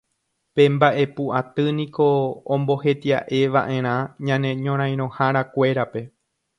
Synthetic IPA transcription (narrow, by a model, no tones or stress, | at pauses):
pe̞mbaʔe̞puʔat̪ɨnĩkõ̞ːmbo̞he̞t̪ia̰ʔe̞ʋa̰ʔẽ̞ɾ̃ãɲãnẽ̞ɲõɾ̃ãj̃ɾ̃õ̞haɾakʷe̞ɾape̞